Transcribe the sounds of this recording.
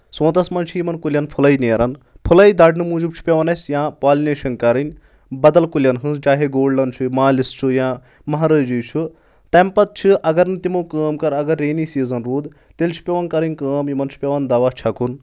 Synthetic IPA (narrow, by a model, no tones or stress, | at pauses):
sõːt̪ɐsmɐnt͡ʃʰijimɐnkulʲjɐnpʰulɐjneːɾɐn | pʰulɐid̪ɐɖnɨmuːd͡ʒubt͡ʃʰu̥pʲeʋɐnɐsʲjãːpaːlneːʃɐnkɐɾɨnʲ | bɐd̪ɐlkulʲjɐnɦɨsd͡ʒaːɦeɡoːɖlɐnt͡ʃʰumaːlist͡ʃʰujãː | mɐɦaɾɐːd͡ʒujt͡ʃʰu | t̪ɐmpɐt̪̚t͡ʃʰɨʔɐɡɐɾnɨt̪imɐːkəːmkɐɾɐɡɐɾːeːniːsiːzɐnɾuːd̪ | t̪elʲt͡ʃʰu̥pʲeʋɐnkɐɾɨnʲkəːmjimɐnt͡ʃʰu̥pʲeʋɐnd̪ɐʋaːt͡ʃʰɐkʰun